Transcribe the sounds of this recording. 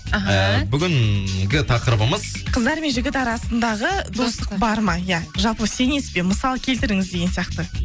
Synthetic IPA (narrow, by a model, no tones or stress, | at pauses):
ɦbʏɡʲɪŋɡʲɪt̪ʰɑqəɾəbəməz | qʰəzd̪ɑɾme̞nʒɪɡʲɪt̪ɑɾɑsənd̪ɑʁəd̪o̞st̪ə̥qbɑɾmɑjaʒɑlˠpəse̞ne̞spe̞məsɑlˠəkʲʰe̞lt̪ɪɾɪŋɪzd̪e̞ɡʲensijɑq̚t̪ə